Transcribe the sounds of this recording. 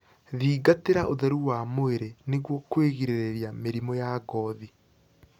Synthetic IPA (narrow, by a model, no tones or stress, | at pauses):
ðiːɡateɾaʔoðɛɾuwamoeɾeneɣwɔkweɣiɾeɾeɾjameɾimɔjaɡɔði